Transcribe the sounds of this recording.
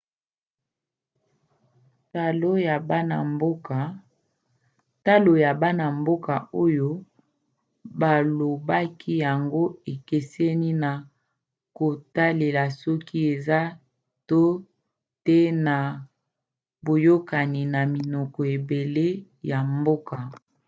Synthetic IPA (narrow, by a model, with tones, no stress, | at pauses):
ta˦lo˦ja˨ba˦na˨mbo˦ka˨ | ta˦lo˨ja˨ba˦na˨mbo˦ka˨o˦jo˦ | ba˨lo˨ba˦kʰi˦ja˨ŋɡo˦e˨ke˨sɛ˦ni˦na˨ | ko˨ta˦le˨la˨sɔ˦ki˦e˨za˦ | to˦ | te˦na˨ | bo˨jo˦ka˨ni˨na˨mi˨nɔ˨kɔ˨e˨be˨le˦ | ja˨mbo˦ka˨